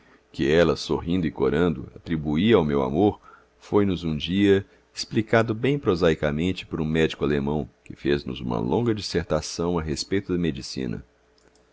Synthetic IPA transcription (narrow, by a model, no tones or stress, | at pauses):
kɪɛlɐsoɦĩnd̪ʊɪkoɾɐ̃nd̪ʊa̰t̪ɾibuiawmewa̰moɾ | fojnʊzũd͡ʒiɐ | ɪsplikad̪ʊbẽj̃pɾozajkamẽnt͡ʃɪ̥poɾũmɛd͡ʒikʊalemɐ̃w̃kɪfeznʊ̰zṵ̃mɐ̰lõ̰ŋɡɐd͡ʒiseɾt̪asɐ̃w̃ɐɦespejt̪ʊd̪ɐmed͡ʒisḭ̃nɐ̰